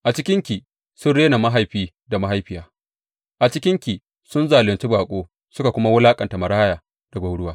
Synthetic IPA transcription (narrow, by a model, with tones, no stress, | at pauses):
ʔa˨t͡ʃɪ˦kʲɪ˦ŋkʲi˨ | sʊ˦nɽeː˦na˨ma˦ɦa˨jɸiː˦ | da˨ma˦ɦa˦jɸɪ˨jaː˨ | ʔa˨t͡ʃɪ˦kʲɪ˦ŋkʲiː˨ | sʊ˦nzaː˨lɪ˨nt͡ʃi˦baː˨kʷʼoː˦ | sʊ˦ka˨kʷʊ˦ma˦wʊ˦laː˦kʼɐ˨nta˨mɐ˨ɾaː˦jaː˨ | d̥a˨ɡʷa˨wɽʊ˦waː˦